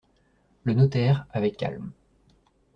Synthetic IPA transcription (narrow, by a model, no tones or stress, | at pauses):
lənɔt̪ɛʁavɛkːa̰lm